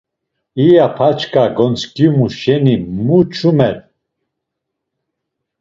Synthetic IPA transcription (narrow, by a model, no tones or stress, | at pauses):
ijapʰat͡ʃkʼaɡɔnt͡sʰkjiumuʃɛnimut͡ʃʰumɛl